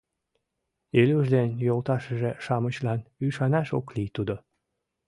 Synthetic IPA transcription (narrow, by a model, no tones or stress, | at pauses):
elyʒd̪enjolt̪ɑʃəʒeʃɑmət͡ɕlɑnyʃɑnɑʃoklit̪ud̪o